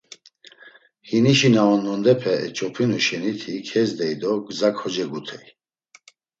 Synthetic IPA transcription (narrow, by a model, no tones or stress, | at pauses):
hiniʃinaɔnːɔnd̪ɛpʰɛɛ̰t͡ʃʼɔpʰinuʃɛnit̪ʰikʰɛzd̪ɛjd̪ɔɡzakʰhɔd͡ʒɛɡut̪ʰɛj